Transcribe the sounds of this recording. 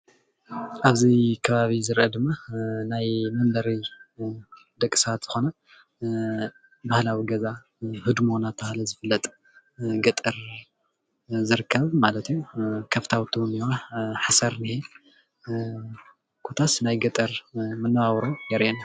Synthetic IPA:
ʔaβzikʰɐβaβizɨɾʔɐd̪ɨmːanajmɐnb̪ɐɾi | d̪ɐkʼːɨ̥sɐat̪z̥ɨxo̞nɐ | bahlawiɡɐza | hɨd̪monat̪̚bahlɐzɨfɨlːɐt̪ʼ | ɡɐt̪ʼɨɾ | zɨɾɨkʰːɐβmalɐt̪ʰjukʰɐft̪ʰawt̪ʰuniwaħasɐɾnihe | kʰot̪ʰasnajɡɐt̪ʼɐɾmɨnːɐβaβɾodɐɾʔena

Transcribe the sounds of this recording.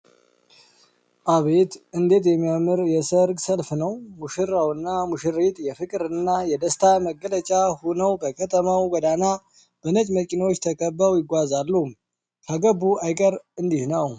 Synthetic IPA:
ʔaβet̪ɨnd̪e̞t̪jɛmːijamɨɾjɛsəɾɡsəlfnəwmuʃɨɾawɨnːamuʃɨɾet̪ʼjɛfɨkʼɾɨnːajɛd̪əst̪ʰaməɡələt͡ʃʼahonəwbəkʰət̪ʰəmawɡəd̪ana | b̥ənət͡ʃʼməkʼinwot͡ʃːt̪ʰəkʼəbːawjɪɡʷazalːu | kʰaɡəbuajkʼəɾɨnd̪ihnaw

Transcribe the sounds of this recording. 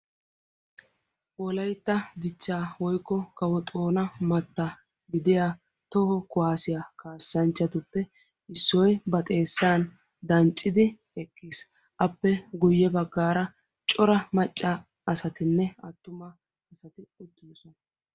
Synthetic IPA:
wɔlɐjt̪ːɐd̪ɪt͡ʃːaːwɔjkːɔkɐwɔt̪ʼo̞ːnɐmɐt̪ːɐ | ɡɪd̪ɪjaː | t̪ɔhɔkʊwaːsɪjakaːsːɐnt͡ʃːɐt̪ʊpːɛ | ɪsːɔjbɐt̪ʼe̞ːsːaːn | d̪ɐnt͡ʃʼːɪd̪ɪ | ɛkʰːiːs | ʔɐpːɛɡʊjːɛbɐɡːaːɾɐ | t͡ʃʼɔɾɐmɐt͡ʃʼːa | ɐsɐt̪ɪnːɛɐt̪ːʊmɐ | ɛsɐt̪ɪɛd̪ːisɔnɐ

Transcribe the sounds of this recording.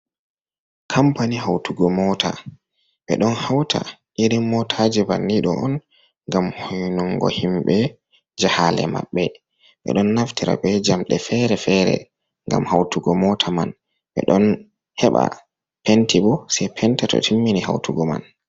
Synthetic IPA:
kʰampaniɦawtuɡɔmɔtʰa | ɓɛ̰ɗɔnhawtʰaʔiɾimːɔtʰad͡ʒibanːiɗɔɔn | ŋɡamhɔjnuŋɡɔ̰himɓɛ | d͡ʒahalɛ̰ma̰ɓːɛ | ɓɛ̰ɗɔnːaftiɾa̰bɛd͡ʒamɗɛfɛɾɛfɛɾɛ̰ | ŋɡa̰mhawtuɡɔmɔtʰaman | ɓɛ̰ɗɔn | hɛɓa̰ | pentʰibɔsɛpʰɛntɛtɔ̰tʰimːiniha̰wtuɡɔma̰n

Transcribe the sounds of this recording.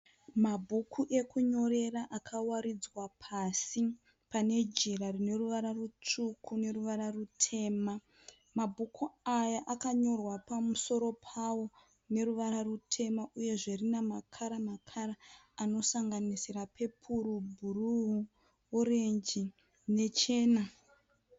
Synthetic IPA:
mabʱukʰuʔe̞kuɲo̞ɾe̞ɾaʔakʰawaɾid͡zwapʰasi | pane̞d͡ʒiɾarine̞ruʋaɾarut͡ʂukʰune̞ruʋaɾarutʰe̞ːma | mabʱukʰuajaʔakaɲo̞rwapamuso̞ɾo̞pʰawo̞ | ne̞ɾuʋaɾarutʰe̞maʔuje̞ʐerinamakʰaɾamakʰaɾaː | no̞saŋɡanisiɾapʰe̞pʰuɾubʱuruɦu | oɾeɲd͡ʒi | ne̞t͡ʃe̞ːna

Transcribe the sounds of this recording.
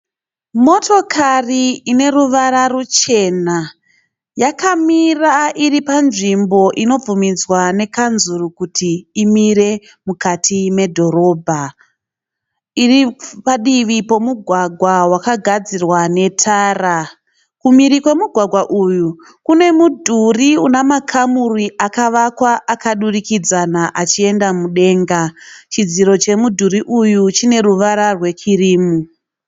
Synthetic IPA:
mo̞to̞kʰariine̞ruʋaɾarut͡ʃe̞na | jakamiraʔiripanʐimbo̞ʔino̞b͡vumid͡zwane̞kanzurukutiimiɾe̞ | mukatʰime̞dʱo̞ɾo̞ːbʱa | iripaɗiʋipo̞muɡʱwaɡʱwawakaɡʱad͡zirwane̞tʰaːra | kumiɾikwe̞muɡʱwaɡʱwaʔuju | kune̞mudʱuriunamakʰamuriʔakaʋakwaʔakaɗurikid͡zanaʔat͡ʃie̞ndamuɗe̞ːŋɡat͡ʃid͡ziɾo̞t͡ʃe̞mudʱuɾiʔujut͡ʃine̞ruʋaɾarwe̞t͡ʃiriːmu

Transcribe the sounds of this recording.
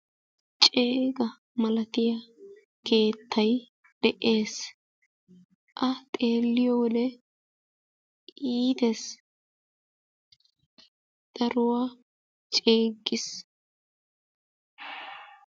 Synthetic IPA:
t͡ʃʼeːɡɐ | mɐlɐt̪ɪjɐ | ke̞ːt̪ːɐj | d̪̥ɛʔe̞ːs | ʔɐt̪ʼe̞ːlːɪjɔwɔd̪ɛ | iːd̪es | d̪̥ɐɾʊwaː | t͡ʃʼe̞ːɡːɪs

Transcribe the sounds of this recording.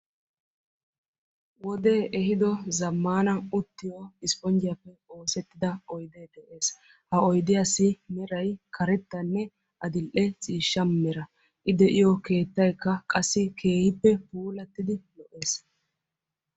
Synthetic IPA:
wɔd̪e̞ːʔɛɦɪd̪ɔzɐmːaːnɐʊt̪ːɪjoɪspʼɔnd͡ʒɪjɐpːɛo̞ːsɛt̪ːɪd̪ɐɔjd̪eːd̪ɛʔeːs | hɐɔjd̪ɪjasːɪmɛɾɐjkʰɐɾɛt̪ːɐnːɛ | ʔɐd̪ɪlʔɛt͡sʼiːʃːɐmmɛɾɐ | ʔɪd̪ɛʔɪjɔke̞ːt̪ːɐjkːɐkʼɐsːɪkʰe̞ːhɪpːɛpuːlɐt̪ːɪd̪ɪlɔʔe̞ːs

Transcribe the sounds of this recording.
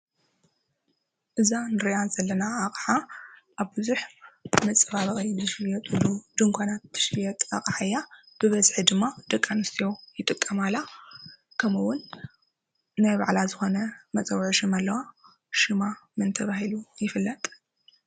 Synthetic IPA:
ʔɨzanɨɾiʔazɐlːɐnaːχʼħaʔaβbɨzuħmɐt͡sʼɐβaβɐχʼizɨʃɨjɐt̪ʼɨlud̪̥ɨŋkʷʰanat̪ːɨ̥ʃijɛt̪ʼa̰χʼħajːa | b̥ɨβɐzħid̪ɨmːad̪̥ɐkʼːanust̪ʰjowjɪt̪ʼɨkʼːɐmala | kʰɐmɨwʊn | ajba̰ʕlazɨxo̞nɐmɐt͡sʼɐwʕʃɨmalːɐwa | ʃɨmamɨnt̪ʰɐβaɦilujɪfɨlːɐt̪ʼ

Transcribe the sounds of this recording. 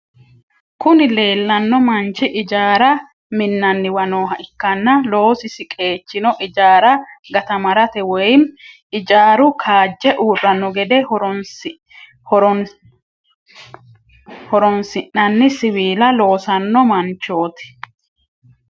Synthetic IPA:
kʊnɪle̞ːlːɐnːɔmɐnt͡ʃːɪʔɪd͡ʒaːɾɐ | mɪnːɐnːɪwɐnoːɦɐʔɪkːɐnːɐlo̞ːsɪsɪkʼe̞ːt͡ʃːɪnɔʔɪd͡ʒaːɾɐɡɐt̪ɐmɐɾɐt̪ɛwɔjm | ɪd͡ʒaːɾʊkʰaːd͡ʒːɛʔuːrːɐnːɔɡɛd̪ɛ | hɔ | hɔɾɔnsɪʔːɐnːɪsɪwiːlɐlo̞ːsɐnːɔmɐnt͡ʃo̞ːt̪ɪ̥

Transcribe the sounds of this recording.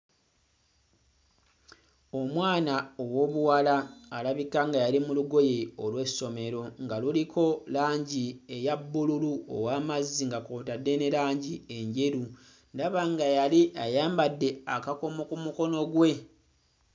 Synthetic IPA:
o̞mwaːnaowo̞ːβuwalaːlaβikaŋɡajalimuluɡo̞jeolwe̞so̞me̞ɾo̞ŋɡalulikʰo̞laːɲɟie̞jabːululuo̰waːmazːiŋɡakoːtadːe̞nelaːɲɟie̞ɲɟe̞ɾu | ndaβaŋɡajaliʔajaːmbadːe̞akakomokumuko̞no̞ɡwe̞

